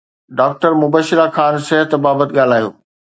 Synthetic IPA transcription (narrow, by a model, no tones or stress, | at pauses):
ɖaːk̚ʈəɾmʊbəʃɪɾakʰaːnsɪɦət̪baːbət̪ɪɠaːl̤aːjo̰ː